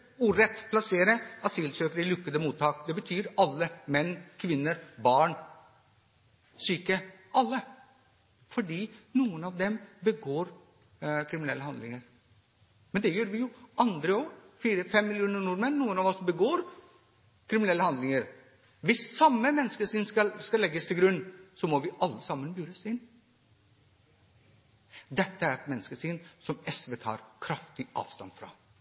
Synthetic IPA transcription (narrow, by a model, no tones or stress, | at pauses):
uːɾɛt̪ːpʰlɑseːɾəɑt̪silsøːkəɾɪlʉkːəd̪əmuːt̪ʰːɑːkd̪ɛbət̪ʰyːɾɑlːəmɛnːkʰʋɪnːəɾbɑːɳ | syːkəʔɑlːə | fɔɖiːnuːənɑʋd̪ɛmbəɡoːɾ | kʰɾɪmɪnɛlːəhɑnd̪lɪŋəɾ | mɛnd̪ɛjøːɾʋɪjʊʔɑnd̪ɾəɔfiːɾəfɛmːɪlɪuːnəɳʊɾmənnuːənɑːʋɔsbəɡoːɾ | kʰɾɪmɪnɛlːəhɑnd̪lɪŋəɾ | ʋɪsːɑmːəmɛnːəskəsɪnskɑlskɑlːɛɡːəst̪ʰɪlɡɾʉnːsɔmɔʋɪʔɑlːəsɑmːənbyːɾəsɪnː | d̪ɛt̪ːəæɾɛt̪mɛnːəskəsɪnsɔmɛsʋeːt̪ʰɑ̰ːɾkʰɾɑft̪ɪʔɑ̰ːʋst̪ɑ̰nfɾɑ̰